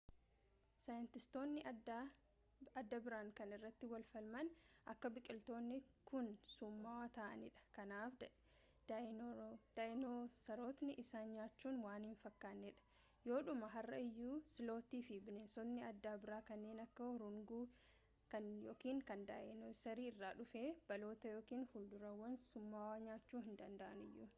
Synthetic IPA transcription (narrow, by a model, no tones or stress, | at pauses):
sɐjɪnt̪ɪst̪o̞ːnːɪ | ɐd̪ːɐbɪɾaːŋkɐnɪrːɐt̪ːɪwɐlfɐlmɐnʔɐkːɐbɪkʼɪlt̪o̞ːnːɪkʊnsʊmːawat̪aːʔɐ̰nɪᶑɐ̥kɐnaːfɐ̥ | d̪̥ʔɪnoːsɐɾo̞ːt̪nɪʔɪsaːnɲaːt͡ʃːuːnwaːnhɪnfɐkːaːnːɪᶑɐ̥ | jo̞ːᶑʊmɐɦɐrːɐɪjːuːsɪlo̞ːt̪iːfɪbɪneːsɔd̪nɪɐd̪ːaːbɪɾaːkɐnːeːnɐkːɐɾʊŋɡuː | kɐnjoːkiːŋkɐnd̪a̰ːʔɪnosɐɾiːɪrːaːᶑʊfe̞ːb̥ɐlo̞ːt̪ɐjo̞ːkiːnfʊld̪ʊɾɐwːɐnsʊmːaːwaːɲaːt͡ʃːuːhɪnd̪ɐnd̪ɐʔɐnɪjːʊ